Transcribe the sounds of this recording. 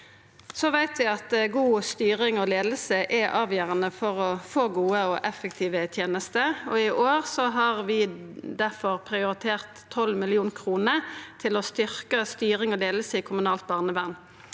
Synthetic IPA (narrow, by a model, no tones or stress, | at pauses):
sɔʋæɪt̪ʋɪɑt̪ɡuːst̪yːʁɪŋɔleːd̪əsəʔɛʔɑːʋjøːʁɑnəfɔʁɔfoːɡuːəɔʔɛfɛkt̪ʰiːʋət̪ʰjeːnəst̪əɔɪʔoːʁsɔɦɑʁʋɪd̪æfɔʁpʰʁɪʊʁɪt̪ʰeːʁt̪ʰːɔlmɪlɪuːnkʰʁuːnət̪ʰɪlɔst̪ʏʁkəst̪yːʁɪŋɔd̪eːləsəiːkʰʊmʉnɑːlt̪̚bɑːʁnəʋæʁn